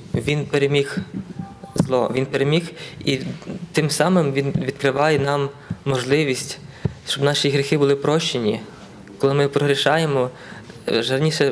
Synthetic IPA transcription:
ʋʲinpeɾemʲix | zlˠɔʋʲinpeɾemʲixit̪ɪmsɑmɪmʋʲinʋʲid̪̥̚kɾɪʋɑjɛnɑmːɔʒlˠɪʋʲisʲtʲ | ʃt͡ʃɔbnɑʃʲiɦɾʲixɪbʊlˠɪpɾɔʃt͡ʃːenʲi | kɔlˠɪmɪpɾɔɦɾʲiʃɑjemɔ | ʒɐrnʲiʃɛ

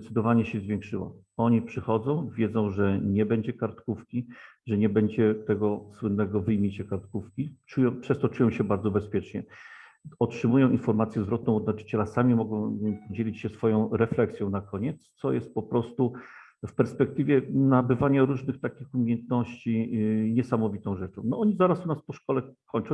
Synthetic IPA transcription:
t̪sɘd̪ɔvaɲɛɕɛzvʲjẽŋkʂɘwa̰ | ɔɲipʂɘxɔd̪zɔ̃w̃vʲjɛd̪zɔ̃w̃ʐɛɲɛbɛɲd͡ʑɛkaɾt̪kufkʲi | ʐɛɲɛbɛɲd͡ʑɛt̪ɛɡɔswɘnːɛɡɔvɘjmʲjit͡ɕɛkaɾt̪kufkʲit͡ʂujɔ̃w̃pʂɛst̪ɔt͡ʂujɔ̃w̃ɕɛbaɾd̪zɔbɛspʲjɛt͡ʂɲɛ | ɔtʂɘmujɔ̃w̃ʔinfɔɾmat̪sʲjɛzvɾɔt̪̚nɔ̃w̃ɔd̪nat͡ʂɘ̥t͡ɕɛlasamʲimɔɡɔ̃w̃pɔd͡ʑelʲit͡ɕɕɛsfɔjɔ̃w̃ɾɛflɛksʲjɔ̃w̃nakɔɲɛt̪st̪sɔjɛ̰st̪̚pɔpɾɔst̪u | fpɛɾspɛk̚t̪ɘvʲjɛnabɘvaɲaɾuʐnɘxt̪akʲixumʲejɛnt̪nɔɕt͡ɕiɲɛsamɔvʲit̪ɔ̃w̃ʐɛt͡ʂɔ̃w̃nɔɔɲizaɾasunaspɔʂkɔlɛkʰɔɲt͡ʂɔ̃w̃

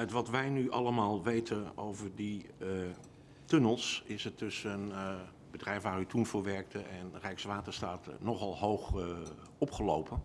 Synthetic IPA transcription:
ətʋɑtʋɛjnyʔɑləmaːlˠʋejtʰəno̰wvəɹdi | tɵnəlˠsɪsətɵsən | bədrɛjfʋaːɾytunvʊːɹʋɛɹk̚təʔɛnrɛjksʋaːtəɹstaːtnɔχɑlˠɦowχ | ɔpχəlowpʰən

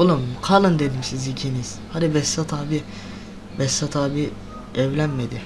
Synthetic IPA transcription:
olˠɯmkʰalˠɯnd̪ed̪imsizicʰiniz̥had̪ibɛsːat̪ʰaːbi | bɛsːat̪ʰaːbi | ɛvlʲænmed̪i

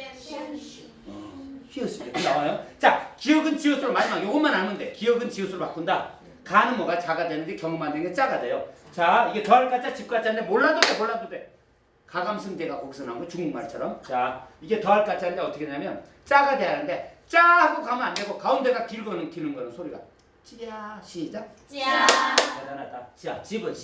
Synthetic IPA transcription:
ʌɕʰiʌs͈idekɯnawajot͡ɕakijʌɡɯnt͡ɕiʌsʰɯɾomaɲmajoɡʌnmanɦanɯnde̞kiʌɡɯnt͡ɕiʌsʰɯɾɭpak͈unda | kanɯnmʌɡat͡ɕaɡadwenɯndekjʌŋɯmandeŋɡet͡ɕ͈aɡadejot͡ɕaiɡe̞tʌɦaɭk͈at͡ɕʰat͡ɕip̚k͈at͡ɕʰanɯndemoɭːadode̞moɭːandode̞ | kaɡamsʰɯndeɡakoks͈ɯnɦanɡot͡ɕuŋɡŋmaɭt͡ɕʰʌɾʌmt͡ɕaiɡe̞tʌaɭk͈at͡ɕʰanɯndeʌtʰʌkʰeɲamjʌn | t͡ɕ͈aɡade̞janɯndet͡ɕ͈ahaɡokamɯnande̞ɡokaunde̞ɡakiɭɡʌnɯnkinɯnɡʌnɯnsʰoɾiɡa̰ | t͡ɕ͈iaɕʰid͡ʑa | atanat̚t͈at͡ɕat͡ɕibɯn

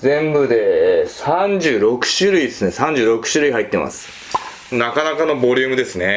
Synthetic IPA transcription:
zẽ̞mbɯ̟d̪e̞sãɲd͡ʑɨːɾo̞kɯ̟̥ɕɨɾɯ̟id̪esɨne̞sãɲ̟d͡ʑɨːɾo̞kɯ̟̥ɕɨɾɯ̟ihait̪ːe̞mʔa̰sɨ̥ | nakanakano̞bo̞ɾʲɯːmɯ̟d̪e̞sɨne̞

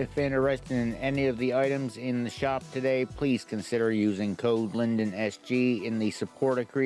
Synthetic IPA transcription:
ɨfɪ̃ñə˞ɛstɨɾɨ̃nɛniʌvðiaɪɾɨ̃mzɪ̃nðɨʃɑp̚tʰɨdeɪpʰl̥iz̥kʰɨ̃nsɪɾə˞jʉzɪ̃ŋkʰoʊdˡlɪ̃ndɨ̃nɛsd̥ʒ̥iɪ̃nðɨsɨpʰɔɹɾɨkʰɹ̥i

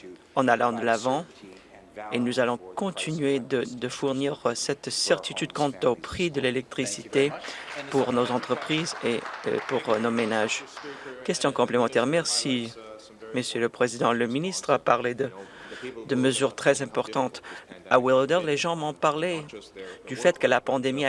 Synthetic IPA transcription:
ɑ̃nalɑ̃d̪əlavɑ̃ | enuzalɔ̃kɔ̃t̪ʰinɥed̪əd̪əfuʁniʁsɛt̪sɛʁt̪it̪yd̪kɑ̃t̪opχid̪əlelɛk̚t̪χisit̪epuʁnozɑ̃t̪χəpχizḛpuʁnomenaʒkʲɛst̪jɔ̃kɔ̃plemɑ̃t̪ɛʁmɛʁsi | məsjøləpχezid̪ɑ̃ləminist̪χapaʁled̪ə | d̪əməzyʁt̪χɛzɛ̃pɔʁt̪ɑ̃t̪awild̪ɛʁleʒɑ̃mɔ̃paʁled̪yfɛt̪kəlapɑ̃d̪emi

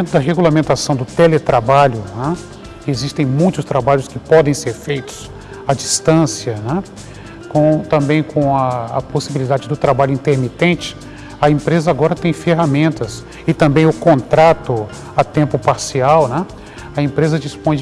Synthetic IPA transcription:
t̪ʊd̪ɐɦeɡulamẽnt̪asɐ̃w̃d̪ʊt̪elet̪ɾabaʎʊnɛ̃ | ezist̪ẽj̃mũj̃t̪ʊst̪ɾabaʎʊskɪpɔd̪ẽj̃seɾfejt̪ʊ̥s | ɐd͡ʒist̪ɐ̃siɐnɛ̃ | kõt̪ɐ̃mbẽj̃kʰõw̃ɐːposibilid̪ad͡ʒɪd̪ʊt̪ɾabaʎʊĩnt̪eɾmit̪ẽnt͡ʃɪ̥ | ɐẽpɾezɐaɡɔɾɐt̪ẽj̃feɦamẽnt̪ɐs | ɪt̪ɐ̃mbẽj̃ʊkõnt̪ɾat̪ʊ | ɐt̪ẽmpʊpaɾsiawnɛ̃ | ɐẽmpɾezɐd͡ʒispõj̃

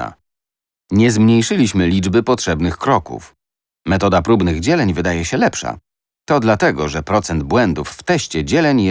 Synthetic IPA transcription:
a̰ | ɲɛzmɲejʂɘlʲiɕmɘlʲid͡ʐbɘpɔtʂɛbnɘxkɾɔkṵf | mɛt̪ɔd̪apɾubnɘɣd͡ʑɛlɛɲvɘd̪ajɛɕɛlɛpʂa̰ | t̪ɔd̪lat̪ɛɡɔʐɛpɾɔt̪sɛnd̪̚bwɛnd̪ufːt̪ɛɕt͡ɕɛd͡ʑɛlɛɲ

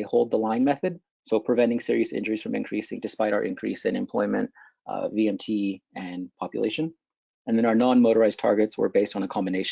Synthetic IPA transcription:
eɪhoʊlˠd̪̚ðəlãɪ̃nmɛθɨd̥̚ | soʊpʰɹ̥ɨvɛ̃ntɪ̃ŋsɪɹiɨsɪ̰̃nd͡ʒə˞iz̥fɹʌ̃mɨ̰̃nkʰɹ̥isɪ̰̃ŋdɨspaɪɾaʊə̰˞ʔɨ̰̃nkʰɹ̥ḭsɨ̃nɨ̰̃mpʰl̥ɔ̰ɪmɨ̰̃nt | viɛ̃mtʰiɨ̃npʰɑpjɨ̰leɪʃɨ̃n | ɨ̃nðɨ̃naʊə˞nɑ̃nmoʊɾə˞aɪztʰɑ̰ɹɡɨtswə̰˞beɪstn̩əkʰɑ̃mbɨneɪʃ

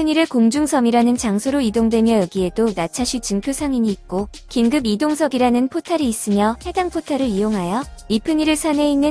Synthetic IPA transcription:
pʰɯɲiɾɯɭkoŋd͡ʑuŋsʰʌmiɾanɯnt͡ɕaŋsʰoɾoidoŋdwe̞mjʌjʌɡie̞donat͡ɕʰaɕʰit͡ɕɯŋpʰjosʰaŋiɲiːt̚k͈o | kinɡɯbidoŋsʰʌɡiɾanɯnpʰotʰaɾiːs͈ɯmjʌhe̞daŋpʰotʰaɾɯɾijoŋɦajʌipʰɯɲiɾɯɭsʰane̞inːɯn

